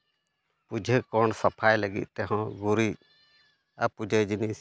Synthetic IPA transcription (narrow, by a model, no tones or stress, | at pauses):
pud͡ʒʱəkɔɳsapʰajləɡḭt̪̚ˀt̪ɛɦɔ̃ɡuɾi | a̰pud͡ʒʱəd͡ʒinis